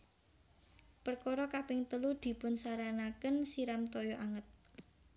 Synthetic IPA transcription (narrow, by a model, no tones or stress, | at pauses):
pərkɔɾɔkapɪŋt̪əlud̪̥i̤pʊnsaɾanakənsiɾamt̪ɔjɔʔaŋət̪̚